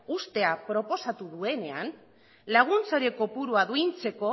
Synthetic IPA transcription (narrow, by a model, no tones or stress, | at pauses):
ust̪e̞apɾo̞po̞sat̪uðue̞ne̞a̰n | laɣ̞unt͡soɾe̞ko̞puɾuaðuijnt͡se̞ko̞